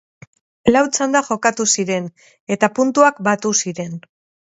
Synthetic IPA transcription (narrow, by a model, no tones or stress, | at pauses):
lawt͡sand̪axo̞kat̪usiɾe̞n | e̞t̪apunt̪uakbat̪usiɾe̞n